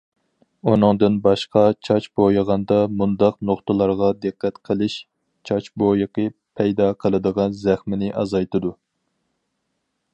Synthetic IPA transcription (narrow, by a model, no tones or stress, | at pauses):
unɨŋd̪ɨnbɑʃqɑt͡ʃʰɑt͡ʃbojəʁɑnd̪ɑmund̪ɑqnoχt̪ɨlˠɑɾʁɑd̪ɨqːæt̪qʰəlˠɪʃ | t͡ʃʰɑt͡ʃbojɨqʰəpʰɛjd̪ɑqʰəlˠɨd̪əʁɑnzæχmɪnɪʔɑ̰zɑjt̪ɨd̪u